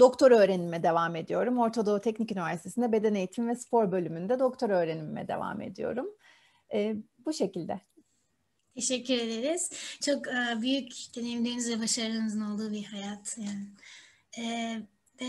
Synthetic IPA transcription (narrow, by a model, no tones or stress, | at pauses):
d̪̥o̞kt̪ʰo̞ɾø̞ːɾenimɛd̪e̞vaːme̞d̪ijo̞ɾumo̞ɾt̪ʰod̪o̞t̪ʰɛcnicynivʲæɾsit̪ʰeind̪ɛbe̞d̪ɛne̞jit̪ʰimvɛspʰo̞ɾbø̞lʲymynd̪ɛd̪o̞kt̪ʰo̞ɾø̞ːɾe̞nimɛ̰d̪e̞̰va̰ːmḛd̪ijo̞̰ɾum | ɛːbuʃe̞cilʲd̪ɛ | t̪ʰeʃɛcːyɾe̞d̪e̞ɾiz̥t͡ʃʰokɯːbyjycd̪enemd̪iːnizvɛbaʃaɾɯnɯzɯno̞lˠd̪uːbihajat̪ʰjaː | ɛ | bɛ